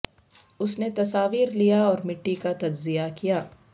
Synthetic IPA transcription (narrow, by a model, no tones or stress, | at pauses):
ʊsnet̪ɐsaːʋiːɾlijaɔːɾmɪʈːikat̪ɐd͡ʒzijakijaː